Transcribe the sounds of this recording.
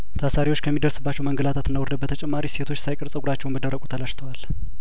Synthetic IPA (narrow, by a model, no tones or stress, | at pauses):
t̪ʰasaɾiwot͡ʃːkʰəmːid̪əɾsɨbːat͡ʃːɛwməŋɡəlat̪ʰat̪ɨnːawɔɾd̪əbət̪ʰət͡ʃʼɛmːaɾise̞t̪ʰo̞t͡ʃːsajkʼəɾsʼəɡʷuɾat͡ʃːɛwnbəd̪əɾːəkʼut̪ʰəlaʃt̪ʰəwal